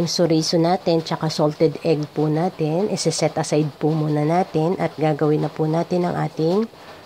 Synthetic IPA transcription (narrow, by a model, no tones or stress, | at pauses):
ŋsʊɾiːsonaːt̪ɪnt͡ʃɐkasolt̪ɛd̪ɛɡpʊnaːt̪ɪnʔɪsɪsɛt̪ʔɐsajd̪̚pʊmuːnɐnaːt̪ɪnʔɐt̪̚ɡaːɡɐwɪnːɐpʊnaːt̪ɪnɐŋʔa̰ːt̪ɪŋ